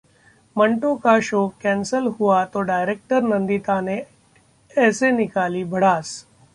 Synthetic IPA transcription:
məɳʈõkaʃoːkɛ̃ːnsəlɦuat̪oɖaːɪɾeːk̚ʈəɾnə̃nd̪it̪ane | ɛːsenɪkaːlibʱɐɽ̤aːs

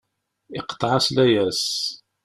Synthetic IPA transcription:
iqə̥t̪ˤːʕaslæjæs

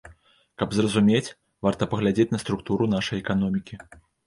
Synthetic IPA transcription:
kɐbzrɐzumʲet͡sʲ | vart̪ɐpɐɣlʲad͡zʲet͡sʲnɐst̪ɾuk̚t̪uɾun̪aʂɐjɛkanɔmʲikʲi

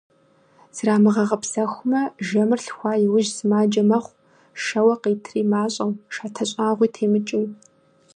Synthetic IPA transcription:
z̥ɨraːmɨʁɐʁɐpsɐxʷʊmɐʒɐmɨrɬxʷɑːjɪwʊʒsɨmaːd͡ʒɐmɐχʷ | ʃɐwɐqeːtʰriːmaːɕʼɐwʃaːtʰɐɕʼaːʁʷiːtʰeːmɨt͡ʃʼɪw

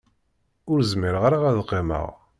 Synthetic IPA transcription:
ʊɾzmɪɾʁaɾaʁæðqːemə̰ʁ

